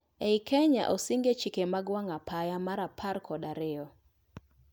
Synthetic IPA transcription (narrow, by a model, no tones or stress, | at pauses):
eikʰɛɲa̰ʔɔsiŋɡet͡ʃikemaɡwaŋapʰajamaɾapʰarkʰɔdaɾɪɔ